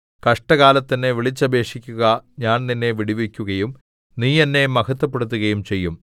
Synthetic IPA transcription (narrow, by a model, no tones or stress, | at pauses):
kɐʂʈɐɣaːlɐt̪ːɐnːe̞ʋiɭit͡ɕːɐbʱe̞ːʂikʲːuɣɐɲaːnninːe̞ʋiɽiʋikʲːuɣɐjum | niːjɐnːe̞mɐkɐt̪ːɐp̬ːeɽut̪̬ːuɣɐjumt͡ɕe̞jːum